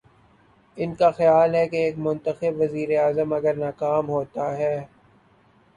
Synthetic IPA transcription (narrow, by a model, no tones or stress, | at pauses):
ɪnkaxɐjaːlɦɛkeeːkmʊ̃nt̪əxɪbʋɐziːɾeaːzəmɐɡəɾnaːkaːmɦoːt̪aɦɛː